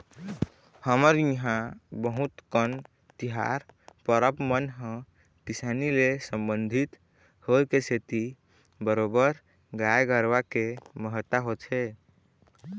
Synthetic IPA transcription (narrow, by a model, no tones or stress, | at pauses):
həməɾiɦãbəɦut̪kən | t̪iɦa̰ɾpəɾəpmənɦə̃ | kisanilesəmbənd̪ʱit̪ | hoekeset̪i | bəɾobəɾ | ɡajɡəɾʋakeməɦət̪ːaɦot͡ʃʰe